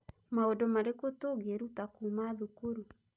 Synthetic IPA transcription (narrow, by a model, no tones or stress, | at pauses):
maodɔmaɾekotoɡeɾutakumaðukoɾu